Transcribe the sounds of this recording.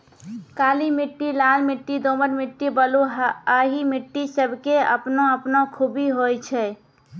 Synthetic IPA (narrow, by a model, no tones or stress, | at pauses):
kaːlimɪʈːilaːlmɪʈːid̪oːməɾmɪʈːibəloaɦimɪʈːisəbʱkeə̰pnoəpnokʰubiɦojt͡ʃʰɛ